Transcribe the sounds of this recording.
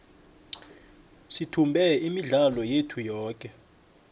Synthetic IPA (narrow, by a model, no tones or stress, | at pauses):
sitʰumbʱɛimiɮalɔjetʰujɔːk̬ʼɛ